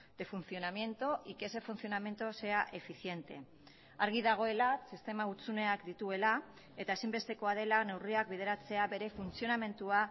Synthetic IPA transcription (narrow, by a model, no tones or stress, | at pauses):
d̪̥e̞funθjo̞namje̞nt̪o̞ʔikese̞funθjo̞name̞nt̪o̞se̞aʔe̞fiθje̞nt̪e̞ | aɾɣ̞iðaɣ̞o̞e̞lasist̪e̞maut͡sune̞akd̪it̪ue̞la | e̞t̪aesimbe̞st̪e̞ko̞að̞e̞lane̞wriak̚biðe̞ɾat͡se̞aβe̞ɾe̞funsjo̞name̞nt̪ua